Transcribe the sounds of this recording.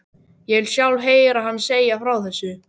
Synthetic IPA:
jɛɣvɪlsjawlɦeːjɾaɦanːseːjafɾawθɛsːʏ

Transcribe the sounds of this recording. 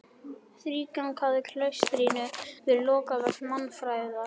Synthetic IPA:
θɾiːkaŋkʰaðɪkʰlœɥst̪ɾiːnʏvɪɾlɔːkavɛɾmanfɾaːjða

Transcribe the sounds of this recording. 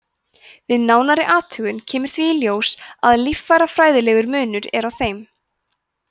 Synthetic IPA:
vɪðnaːwnaɾɪʔaːt̪ʰʏɣʏncʰɛːmʏɾ̥θviːljoːwsaðlifːajɾafɾaːjðɪlɛːɣʏɾmʏːnʏɾɛ̰ɾawθejm

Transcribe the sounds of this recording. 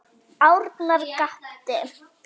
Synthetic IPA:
awɾt̪naɾkaht̪ɪ

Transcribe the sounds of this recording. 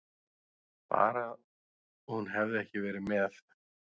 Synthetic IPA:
pa̰ːɾa | ɔhunɦɛvðɪɛhcɪvɛːɾɪmɛθ

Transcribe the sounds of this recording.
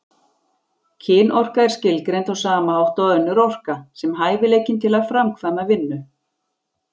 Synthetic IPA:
cʰɪːnʔɔr̥kaɛɾ̥scɪlkɾejnt̪awsaːmaawht̪aðœnːʏɾɔr̥kasɛmɦaːjvɪlejcɪnt̪ʰɪlaɾfɾamkʰvanːavɪnːʏ

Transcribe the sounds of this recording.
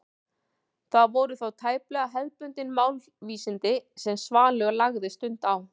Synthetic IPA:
θaðvɔwɾʏθawt̪ʰaːjplœːɣaɦɛðpʏnt̪ɪnmaːwl | viːsɪnt̪ɪsɛmsvaːlœɣlaɣðɪst̪ʏn̥t̪aw

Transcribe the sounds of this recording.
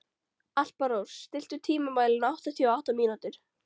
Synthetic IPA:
al̥paɾowsːt̪ɪl̥t̪ʏɾt̪ʰiːmʏmaːjlɪnawht̪aθjawawht̪amiːnut̪ɪɾ̥

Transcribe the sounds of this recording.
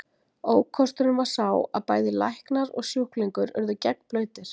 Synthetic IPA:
oːwkʰɔst̪ʏɾʏnvaɾ̥saːwa̰ðpaːjðɪla̰jhknaɾɔ̰ɣsjuhkliŋkʏɾʏ̰ɾðʏcɛknplœːɥt̪ɪɾ̥

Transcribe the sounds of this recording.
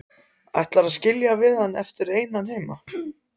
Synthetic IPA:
a̰jht̪laɾaðscɪljavɪðanːɛft̪ɪɾeːjnanheːjma

